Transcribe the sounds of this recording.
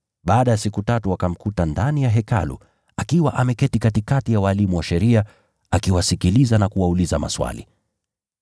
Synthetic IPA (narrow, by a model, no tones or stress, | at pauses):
ɓaːɗajasikutatuwakam̩kutandanijaɦɛka̰lṵ | akiwaʔamɛkɛtikatikatijawaːlimuwaʃɛɾia | akiwasikilizanakuwaulizama̰swa̰lḭ